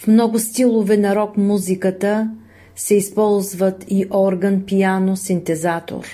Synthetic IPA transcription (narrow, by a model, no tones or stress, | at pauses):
fmnɔɡʊst̪ilˠovɛnɐɾɔkmuzikət̪ə | sɛispɔlˠzvət̪ʰiʔɔɾɡənpijanosint̪ɛzat̪o̰ɾ